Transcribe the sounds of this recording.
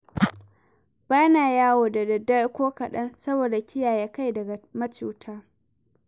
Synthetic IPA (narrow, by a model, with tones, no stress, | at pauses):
b̥aː˦jnaː˨jaː˦woː˨da˨dɐ˨dɐ˦kʷoː˦kɐ˨ɗɐ˦nsɐ˦boː˨da˨kʲɪ˦jaː˨ja˦ka˦jdɐ˨ɡa˨mɐ˦t͡ʃuː˨tʰaː˦